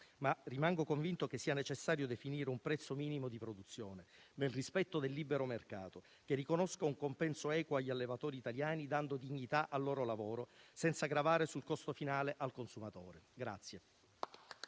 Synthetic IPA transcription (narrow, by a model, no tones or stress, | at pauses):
marimaŋɡokoɱvint̪ok̟esːiːanet͡ʃesːaːɾjod̪efiniːɾeumpɾɛt̪sːomiːnimod̪ipɾod̪ut̪sːjoːnenelrispɛt̪ːod̪elːiːbeɾomerkaːt̪o | k̟erːikonoskauŋkompɛnsoɛːkwoaʎːalːevat̪ɔːɾiːt̪aljaːnid̪and̪od̪iɲːit̪aʔalːɔːɾolavoːɾosɛnt̪saɡɾavaːɾesulkɔst̪ofinaːleʔalkonsumat̪oːɾeɡɾa̰t̪sːje